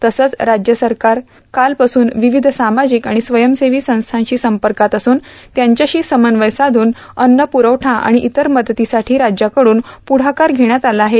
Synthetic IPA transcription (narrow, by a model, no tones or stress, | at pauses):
t̪əsət͡sɾad͡ʑjəsəɾkaɾ | kalpasuːnʋiʋid̪ʱsamad͡ʑiːkaɽ̃isʋəjəmseʋiːsə̃w̃st̪ʰãɲt͡ɕiːsəmpəɾkat̪əsuːnt̪jaɲt͡ɕjaɕiːsəmənʋəjsad̪ʱuːn | ənːəpuɾəʋʈʰãʔa̰ɽ̃iʔit̪əɾməd̪t̪isaʈʰiːɾad͡ʑjakəɽuːnpuɽ̤akaɾɡʱeɽ̃jat̪alaaɦet̪